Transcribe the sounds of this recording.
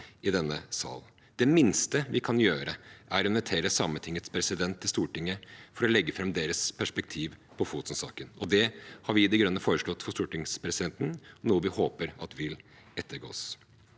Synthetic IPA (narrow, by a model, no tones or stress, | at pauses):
ɪd̪ɛnːəsɑ̰ːl | d̪̥ɛmɪnst̪əʋɪkʰɑnjøːɾəʔæɾɔnɔt̪ʰeːɾəsɑmət̪ʰɪŋːət̪spʰɾɛsɪd̪ɛnt̪ʰːɪlst̪uːʈɪŋːəfɔɾɔlɛɡːəfɾɑmd̪eːɾəspʰæʂpɛk̚t̪ʰiːʋpʰɔfuːt̪nsɑ̰ːkənɔd̪ɛhɑɾʋɪd̪ɛɡɾœnːəfoːɾəʂlɔt̪ːfɔʂt̪uːʈɪŋspʰɾɛsɪd̪ɛnt̪n̩ɔnuːəʋɪhoːpəɾɑt̪ʋɪl | ɛt̪ʰːəɾɡo̰ːs